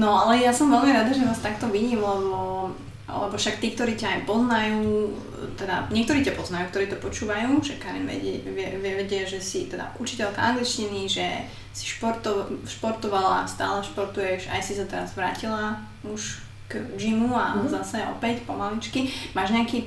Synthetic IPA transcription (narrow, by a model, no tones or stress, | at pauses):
nɔalɛjasɔmʋɛlmiɾad̪aʒɛʋaːst̪akt̪ɔʋiɟiːmlɛbɔ̰ | lɛ̰bɔfʃakt̪iːk̚t̪ɔɾiːcaːjpɔznajuː | t̪ɛd̪a̰ɲɪɛk̚t̪ɔɾiːcapɔznajuːkt̪ɔɾiːt̪ɔpɔt͡ʃuːʋajuːʒɛkaɾḭnʋɛ̰ɟɛ̰ʋɪɛʋɪɛʋɛɟɛʒɛsit̪ɛd̪a̰ʔut͡ʃicɛlkaa̰ŋɡlit͡ʃciniʒɛ | si̥ʃpɔɾt̪ɔʃpɔɾt̪ɔʋala̰st̪a̰ːlɛʃpɔɾt̪ujɛʒa̰jsisat̪ɛɾazʋɾa̰ːcila | uʃ | kʒimua̰zasɛɔ̰pɛcpɔmalit͡ʃkimaːʒɲɛakiː